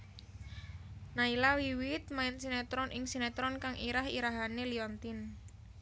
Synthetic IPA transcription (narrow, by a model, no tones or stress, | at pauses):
nailawiwɪt̪̚maɪnsinɛt̪ɾɔnʔɪŋsinɛt̪ɾɔnkaŋʔiɾaɦḭɾaɦaneliɔnt̪ɪn